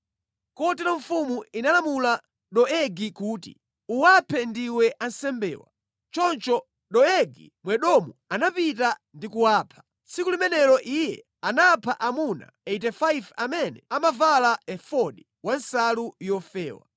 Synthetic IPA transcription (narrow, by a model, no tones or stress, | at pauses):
kɔtɛlɔɱfumuinalamula | ɗɔɛɡikuːtḭ | uwapʰɛndiwɛʔansɛmbɛ̰ːwa̰ | t͡ʃɔnt͡ʃɔ | ɗɔɛɡi | mwɛɗɔmuanapitandikuwaːpʰḁ | sik̬ulimɛnɛɾɔʔijɛ̰ | anapʰaʔamuna̰ɛtɛfajvamɛnɛamavalaɛfɔɗi | wansalujɔfɛːwa̰